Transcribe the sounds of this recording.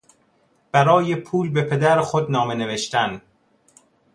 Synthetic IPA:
b̥æɾɒːjepʰuːlbe̞pʰe̞d̪æɾxod̪nɒːmene̞ve̞ʃt̪æn

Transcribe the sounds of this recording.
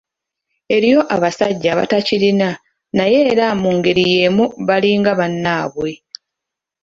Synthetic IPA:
e̞ɾijo̞ʔaβasaɟːaβa̰tacilina | naje̞ːɾamuŋɡe̞ɾije̞ːmuβaliːŋɡaβanːaːβwe̞

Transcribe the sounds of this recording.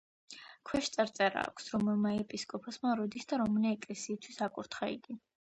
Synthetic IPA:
kʰwɛʃt̪sʼaɾt̪sʼɛɾa̰ːkʰʷsɾɔmɛlˠmaɛpʼiskʼɔpʰɔsmaɾɔd̪isd̪aɾɔmnɛɛkʼlɛsiːst̪ʰwisakʼuɾt̪ʰχaḭɡi

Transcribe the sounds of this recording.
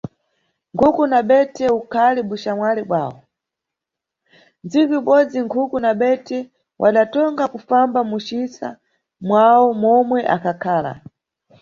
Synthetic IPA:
ŋkʰukunaɓɛtʰɛukʰalɛɓuʃamwalɛɓwaːwɔ̰ | nd͡ziviuɓɔd͡ziŋkʰukunaɓɛtʰɛ | wʔa̰ɗatɔŋɡakufambamuʃisa̰ | mwawɔmɔmwɛʔa̰kʰakʰaːla̰

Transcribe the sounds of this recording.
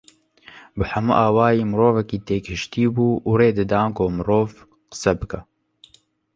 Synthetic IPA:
bɨħɐmṵʔaːwaːjiːmɨɾoːvɛkiːt̪eːkʰɨʃt̪iːbuːʔureːd̪ɨd̪ɑːnkoːmɨɾoːv | qə̥sɛbɨkɛ

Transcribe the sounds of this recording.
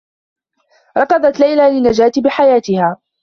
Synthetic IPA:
ɾˤɑqɑd̪ˤɑt̪lajlaːlɪnːad͡ʒaːt̪bɪħajaːt̪ɪhaː

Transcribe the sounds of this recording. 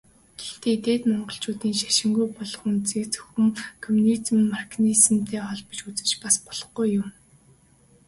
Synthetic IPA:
ɡ̥ext̪eːit̪eːt̪mɔɴɢɞ̆ɬt͡ɕʊːt̪iːnʃaʃɪ̆ŋɡujpɔɮɞ̆χunt͡siːkt͡sɵ̥xɵ̆mkʰɔmunit̪mnmarkniz̆mt̪ʰeːχɔɮpə̆t͡ɕut͡sɘ̆rt͡ɕpaspɔɮ̥ɞ̆χɡujːʊm

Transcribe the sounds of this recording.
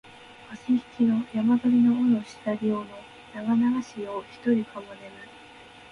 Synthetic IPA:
aseçi̥kʲino̞jamad̪oɾʲino̞onoɕi̥t̪aɾʲiono̞ | naɡanaɡaɕioːçi̥t̪o̞ɾʲikamone̞na

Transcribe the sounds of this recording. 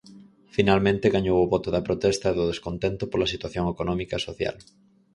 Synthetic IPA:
finalmẽnt̪eɣaɲowʊβɔt̪ʊðɐpɾot̪ɛst̪ɐeðʊðeskont̪ent̪ʊpolɐsit̪waθjoŋekonɔmikɐsoθja̰l

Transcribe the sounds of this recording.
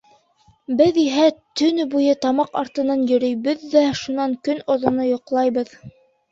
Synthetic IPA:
bɘðiɦæt̪ɵ̆nɵbujɤt̪ɑmɑqɑɾt̪ɤ̆nɑnjɵ̆ɾɵ̆jβɵðːæʃunɑŋkɵnŏðŏnojŏqlˠɑjβɤð

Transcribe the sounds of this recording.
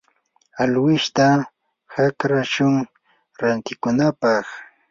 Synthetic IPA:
alwɪʃt̪a | hakɾaʃʊŋ | ɾant̪ɪkʊnapɑχ

